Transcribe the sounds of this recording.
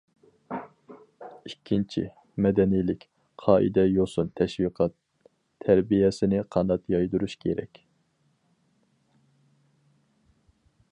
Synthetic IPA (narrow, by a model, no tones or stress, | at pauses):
ikʲʰːint͡ʃʰḭ | mɛd̪ɛnijlɪkʲ | qʰɑːʔḭd̪ɛjosunt̪ʰɛʃwiqʰɑt̪ʰː | æɾbijɛsɪnɪqʰɑnd̪ɑt̪jɑjd̪uɾuʃkʲʰeɾɛ̰kʲ